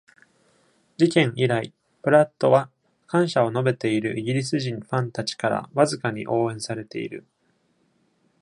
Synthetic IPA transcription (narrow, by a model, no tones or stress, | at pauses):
d͡ʑikẽ̞ɰiɾai | pɯ̟ɾat̪ːo̞βa | kãɰ̃ɕao̞no̞be̞t̪e̞iɾɯ̟̰ʔiɡʲiɾʲis̬ɨʑĩɰ̃ɸãnt̪at͡ɕi̥kaɾa̰βazɨkaɲ̟ḭʔo̞ːẽ̞ɰ̃saɾe̞t̪e̞ḭɾɯ̟̰